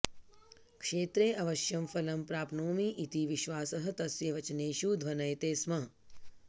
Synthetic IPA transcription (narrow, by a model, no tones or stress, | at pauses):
kʂeːt̪ɾeːʔɐʋɐʃjɐmfɐlɐmpɾaːpnoːmiʔit̪iʋiʃʋaːsɐɦɐ̆t̪ɐsjɐʋɐt͡ʃɐneːʃuːd̪ʱʋɐnɐjt̪eːsmɐɦ